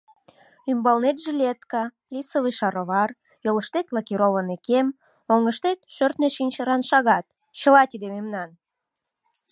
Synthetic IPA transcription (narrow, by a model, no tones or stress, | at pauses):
ymbɑlnet̪ʒelʲet̪kɑ | lisəβɨʃɑɾoβɑr | joləʃt̪et̪lɑkiɾoβənekem | oŋəʃt̪et̪ʃørt̪neʃinʲt͡ɕəɾɑnʃɑɣɑt̪̚ | t͡ɕəlɑt̪id̪ememnɑn